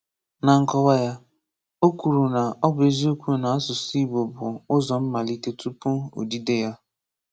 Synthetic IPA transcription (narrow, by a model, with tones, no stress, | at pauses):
na˨ŋ̩˨kɔ˦ba˦ja˦ | o˦ku˨ɾu˨na˨ɔ˦bʊ˨e˨zi˦o˦kʷu˦na˨a˦sʊ˨si˦bo˨bʊ˨ʊ˦zɔ˨m̩˦ma˨li˦te˦tu˦pʊ˦o̰˨di˦de˦ja˦